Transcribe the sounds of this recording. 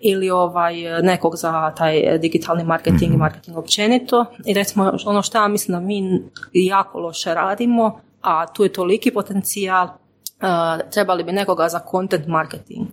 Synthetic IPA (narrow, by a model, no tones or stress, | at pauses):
ilioʋajne̞koɡzat̪aːj̰d̪iɡit̪ʰalˠnimaɾket̪iŋɡimaɾket̪iŋɡo̞pt͡ʃe̞nit̪o̞iɾet̪simoonoʃt̪ojamislimd̪amiːjaːkʰo̞̰lˠo̞ʃeɾaːd̪imo̞ | at̪uːjet̪o̞likipo̞t̪e̞nt̪sialˠ | əːt̪ɾe̞balibine̞ko̞ɡazakʰo̞nt̪ent̪maɾket̪ḭŋɡ